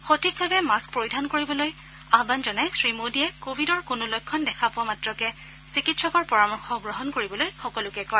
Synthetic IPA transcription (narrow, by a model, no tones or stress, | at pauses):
xotik̚bʱabɛmaspɹoɹidʱankoɹibɔloj | abanzɔnajsɹimodiɛkobʱidɔɹkʊnʊlɔjkʰːɔndɛkʰapʊamatɹɔkɛ | sikitsɔkɔɹpɔɹamɔɹxʰɔɡɹɔɦɔnkoɹibɔlojxɔkɔlʊkɛkɔɹ